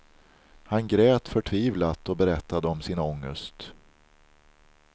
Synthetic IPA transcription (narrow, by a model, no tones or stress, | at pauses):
hanɡɾɛːt̪fœʈʰviːvlat̪ɔbɛɾɛt̪ʰːad̪əɔmsɪnɔŋːəst̪